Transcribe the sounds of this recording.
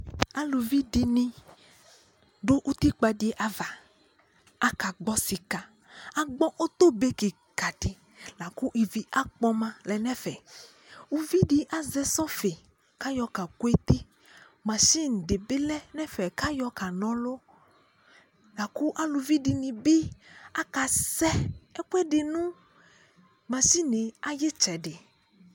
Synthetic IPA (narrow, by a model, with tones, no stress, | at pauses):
a˦lu˨vi˦di˨nĩ˦ | ɖo˦ʔu˦t̪i˦k͡pa˨ɖi˦e˦ʔa˦va˨ | a˦ka˨ɡ͡bɔ˦si˨ka˨ | a˦ɡ͡bɔ˦ʔo˦t̪o˦be˦ki˨ | ka˨ti˨ | la˨ku˦ʔi˨vi˦ʔa˦k͡pɔ˦mã˦lɛ˨nɛ̃˦fɛ˨ | u˦vi˦ɖi˨ʔa˨zɛ˦sɔ̃˦fe˨ | ka˦jɔ˨ka˨ko˦e˦t̪i˦ | mã˨ʃi˦n̩˨ɖe˨be˦lɛ˦nɛ̃˦fɛ˨ka˦jɔ˦ka˨nɔ̃˦lo˦ | la˨ku˦ʔa˨lu˨vi˦ɖi˨nĩ˨bi˦a˦ka˨sɛ˦ɛ˦kɛ˦ɖe˨nũ˦ | mã˨si˦nẽ˨a˨je˦t͡ʃɛ˨ɖɪ˨